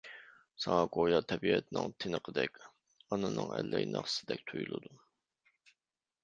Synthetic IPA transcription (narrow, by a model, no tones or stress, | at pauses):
sɑŋɑkojɑt̪ʰɛbiɛt̪ʰɪnɪŋt̪ʰenəqʰəd̪ɛkʲ | ɑnɨnɨŋɛlːɛjnɑ̰χsɪd̪ɛk̚ʲt̪ʰujulˠɨd̪u